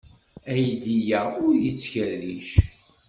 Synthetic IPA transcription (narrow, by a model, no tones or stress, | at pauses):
æjd̪ijæʊɾjət͡sːçəlːiʃ